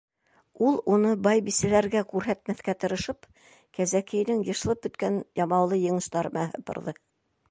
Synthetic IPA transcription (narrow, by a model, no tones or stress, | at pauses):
ulˠunɤbɑjbisɘ̆læɾɡækʉɾɦæt̪mæθkæt̪ɤ̆ɾɤ̆ʃɤp | kæzækɘ̆jnɘŋjɤ̆ʃlˠɤp̚bɵ̆t̪kænjɑmɑwlˠɤjɤ̆ɴɤ̆ʃt̪ɑɾmæhɤ̰̆pɤ̰̆ɾðɤ